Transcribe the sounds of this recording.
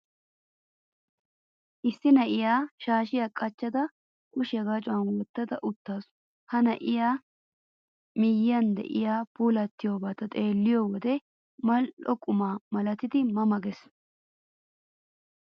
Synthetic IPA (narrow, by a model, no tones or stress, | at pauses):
ʔɪsːɪnɐʔɪjaːʃaːʃɪjakʼɐt͡ʃːɐd̪ɐ | kʊʃɪjɐɡat͡ʃʼʊwɐnwɔt̪ːɐd̪ɐʔʊt̪ːaːsʊ̥ | hɐnɐʔɪjaː | mɪjːɐnd̪ɛ̰ʔɪ̰jaːpuːlɐt̪ːɪjoːbaːt̪ɐt̪ʼeːlːɪjoːwɔd̪ɛ | mɐlʔɔkʼʊmaːmɐlɐt̪ɪd̪ɪmɐmɐɡɛs